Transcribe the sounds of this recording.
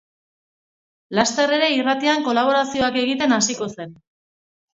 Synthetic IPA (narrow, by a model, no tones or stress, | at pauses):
last̪e̞re̞ɾe̞irat̪iaŋko̞laβ̞o̞ɾasio̞ake̞ɣ̞it̪e̞nasiko̞se̞n